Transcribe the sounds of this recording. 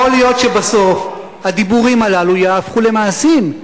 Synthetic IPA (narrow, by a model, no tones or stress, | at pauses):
olijo̞tʃebaso̞f | had̪ibuʁimalalujaːfχule̞maːsim